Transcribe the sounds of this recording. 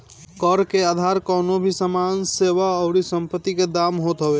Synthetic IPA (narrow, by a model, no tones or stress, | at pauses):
kəɾkead̪ʱaɾkənobʱisəmanseʋaəʊɾisəmpət̪ːiked̪amɦot̪ɦəe